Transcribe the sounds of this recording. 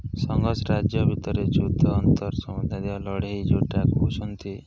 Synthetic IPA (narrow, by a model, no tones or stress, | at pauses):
sɔŋɡɔsɾad͡ʒjɔbʱit̪ɔɾet͡ʃud̪ʱɔːnt̪ɔɾsɔmud̪ʱad̪ewalɔɽeɦid͡ʒoʈakut͡ʃʰɔnt̪i